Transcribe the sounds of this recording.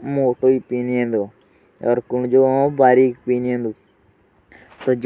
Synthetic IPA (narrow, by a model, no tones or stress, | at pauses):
moːʈoːiːpiːniẽnd̪oː | ɔːɾkʊɳd͡ʒoːõbaːɾiːkpiːniẽnd̪uː | t̪oːd͡ʒ